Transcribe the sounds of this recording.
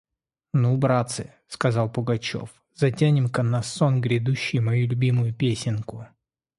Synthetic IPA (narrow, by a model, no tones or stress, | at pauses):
nubɾat̪sɨ̰ | skɐzɑlˠpʊɡɐt͡ɕo̰f | zɐtʲænʲɪmkɐnɐsːonɡɾʲɪd̪uɕːɪjmɐjulʲʊbʲimʊjʊpʲesʲɪnkʊ